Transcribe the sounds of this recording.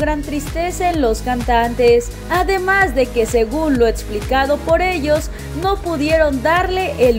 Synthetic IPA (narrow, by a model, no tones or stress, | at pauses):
ɣɾant̪ɾist̪e̞saenlo̞skant̪ant̪e̞s | aðemazðe̞ke̞se̞ɣunlo̞eksplikaðo̞po̞ɾe̞ʝo̞z | no̞puðje̞ɾo̞nd̪aɾle̞ʔel